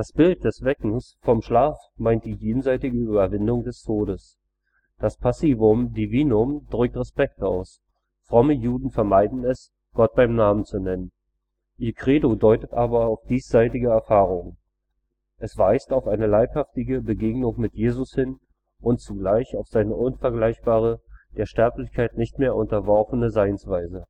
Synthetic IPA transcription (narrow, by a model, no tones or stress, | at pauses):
d̥asb̥ɪlt̚d̥ɛsv̥ɛkŋ̩sfɔmʃlaːf | maɪnt̚d̥iːjeːn̩zaɪtɪɡəːyːbɐvɪndʊŋdɛstʰoːdəs | d̥aspʰasiːvʊmdiviːnʊmd̥ʁʏk̚tʁɛspɛk̚taʊs | fʁ̥ɔməjuːdn̩fɛɐmaɪdn̩ɛs | ɡ̥ɔt̚b̥aɪmnaːmənt͡sunɛnən | ʔiːkʁ̥eːdodɔʏtətʔaːbɐaʊfd̥iːsz̥aɪtɪɡəɛɐfaːʁ̞ʊŋ | ʔʔɛsv̥aɪstaʊfʔaɪnəlaɪphaftɪɡəbəɡeːɡnʊŋmɪtjeːzʊshɪn | ʔʊnt͡suɡlaɪçaʊfz̥aɪnəʔʊnfɛɐɡlaɪçb̥aːʁ̞əd̥eːɐʃtɛɐplɪçkʰaɪtnɪçtmeːɐʔʊntɐvɔɐfənəzaɪnsv̥aɪzə